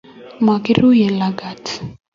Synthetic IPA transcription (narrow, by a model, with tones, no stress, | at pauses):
ma˨ki˦ɾu˦jɛ˨la˨ɡa˨t